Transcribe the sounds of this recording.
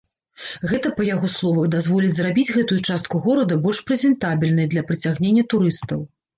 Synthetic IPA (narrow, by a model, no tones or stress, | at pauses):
ɣɛt̪ɐpɐjaɣɔslˠɔvɐɣd̪azvɔlʲid͡zʲzrabʲid͡zʲɣɛt̪ujut͡ʂast̪̚kuɣɔɾɐd̪ɐbɔlʲʂpɾɛzʲɛnt̪abʲilʲnɐjd̪lʲɐpɾɨt͡sʲaɣnʲenʲːɐt̪uɾɨst̪ɐw